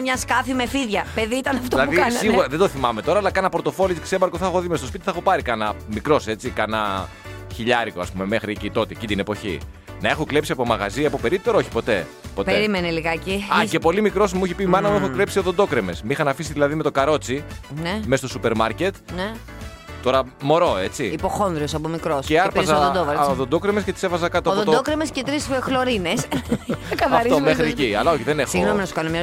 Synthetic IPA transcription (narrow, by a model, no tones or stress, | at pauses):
mɲɐskɐfimefiðʝɐpeðiit̪ɐnɐft̪olɐðuiɐsiɣuɾɐðe̞d̪oθimɐme̞t̪o̞ɾɐːlɐkɐnɐpoɾt̪o̞fo̞lit̪i̥ksebɐɾko̞θɐxo̞ðimest̪os̬pit̪iθɐxo̞pɐɾikɐnɐmikɾo̞se̞t͡sikɐnɐ | çiʎɐɾikoɐspume̞mexɾiecit̪o̞t̪eecid̪inepo̞çḭ | nɐe̞xoklepsiɐpo̞mɐɣɐ̰ziɐpopeɾit̪ːe̞ɾooçi̥po̞t̪e̞̰ | po̞tpeɾimeneliɣɐciɐcepo̞limikɾo̞smuiçipimɐnɐmuexokle̞psio̞ðod̪o̞kɾeme̞smixɐnɐfisiðilɐðime̞t̪okɐɾo̞t͡sinemest̪o̞supe̞ɾmɐɾce̞t̪ne | t̪ːo̞ɾɐmo̞ɾo̞e̞t͡siipoxo̞nðɾiosɐpomikɾoseɐɾpɐzɐod̪oɐoðond̪o̞kɾemesce̞t̪i̥se̞fɐzɐkɐt̪oɐðot̪od̪okɾemescet̪ɾisxloɾines | kɐvɐfɾiomexɾieciɐlɐoçiðe̞nexsiɣɣnominɐsu̥kɐnomɲɐ